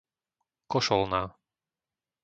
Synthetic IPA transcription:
kɔʃɔlnaː

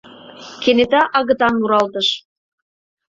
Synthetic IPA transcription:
kenet̪ɑʔɑɣɤ̆t̪ɑnːuɾɑlt̪əʃ

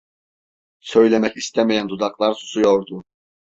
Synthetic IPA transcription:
sø̞jlʲemɛcist̪ʰɛmejænd̪ud̪ɑklˠɑɾsu̥sujoɾd̪u

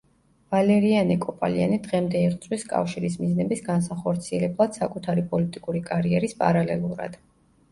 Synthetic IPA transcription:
valɛɾianikʼɔpʼa̰lia̰nid̪ʁɛmd̪ɛiʁt̪sʼwiskʼa̰fʃiɾismiznɛbisɡansaχɔɾt̪sʰiɛlɛblˠad̪̥sakʼut̪ʰaɾipʼɔlit̪ʼikʼuɾikʼaɾiɛɾispʼa̰ɾalɛ̰lˠuɾa̰d̪̥

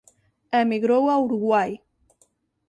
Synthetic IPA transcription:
emiɣɾowauɾuɣwaj

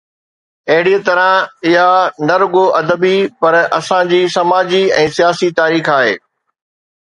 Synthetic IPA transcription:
ɐɦɪɽiet̪ɐɾãɪɦanɐɾʊɡoʔɐd̪əbipɐɾɐsãd͡ʑiːsɐmaːd͡ʑiɛ̃ːsijaːsit̪aːɾiːxaːɦeː

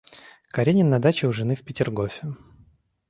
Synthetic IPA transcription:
kɐɾʲenʲɪnɐd̪at͡ɕɪʊʐɨnɨfpʲɪtʲɪrɡofʲɪ

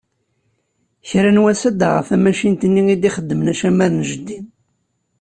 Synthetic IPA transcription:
çɾænwæsæd̪a̰ʁə̰fæmæʃint̪ənːiid̪iχəd̪ːəmənæʃæmæɾnʒəd̪ːin

